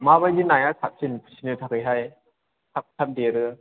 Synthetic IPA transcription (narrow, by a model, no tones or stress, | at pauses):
maβajdinajasʰak̚sinpʰu̥sʰinɯtʰakɯjɦaj | sʰak̚tʰamdeɾɯ